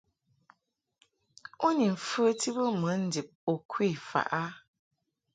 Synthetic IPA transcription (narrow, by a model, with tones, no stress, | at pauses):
o˦ni˨m̩˨fə˦ti˦bə˦mə˨˦n̩˦di˨p̚o˨kʰwi˦˨fa̰˨ʔa˦